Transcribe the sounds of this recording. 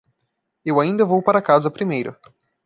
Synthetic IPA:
ewaĩnd̪ɐvowpaɾɐkazɐpɾimejɾʊ

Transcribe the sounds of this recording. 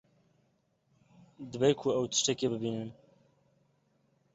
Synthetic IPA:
d̪ɨbejkʰʊɛwt̪ʰə̥ʃt̪ɛkebɨbiːnɨn

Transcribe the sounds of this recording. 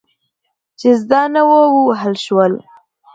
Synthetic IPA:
t͡ʃezd̪ɑnawowuɦalʃwəl

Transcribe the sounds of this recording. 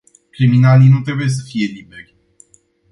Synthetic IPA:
kɾiminalinut̪ɾe̞buje̞s̬əfije̞libe̞rʲ

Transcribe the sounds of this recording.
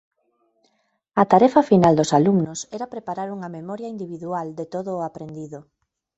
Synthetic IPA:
ɐt̪aɾɛfɐfinald̪osalumnosɛɾapɾepaɾaɾuŋɐmemɔɾjaind̪iβiðuald̪et̪oðʊːapɾend̪iðʊ

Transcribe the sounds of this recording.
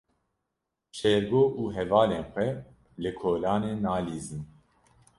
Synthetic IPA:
ʃɛɾɡoːʔuːɦɛvaːleːnxʷɛ | lɨkʰoːlaːneːnaːliːzɨn

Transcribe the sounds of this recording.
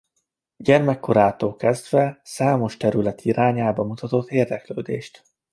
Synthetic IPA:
ɟɛrmɛkːoɾaːt̪oːkɛzd̪vɛsaːmo̞ʃt̪ɛɾylɛt̪ʰiɾaːɲaːbɒmut̪ɒt̪o̞t̪ːeːrd̪ɛklø̰ːd̪ḛːʃt̪

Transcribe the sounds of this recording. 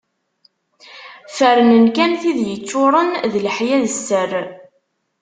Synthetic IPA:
fəɾənənkænθiðjət͡sːʊɾˤənðlħjæðəsːər

